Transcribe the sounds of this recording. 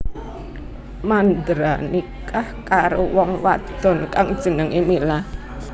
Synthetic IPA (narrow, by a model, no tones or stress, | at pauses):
mand̪ɾanikahkaɾowɔŋwa̰d̪̥ɔ̤nkaŋd̥ʒ̥ə̤nəŋemilah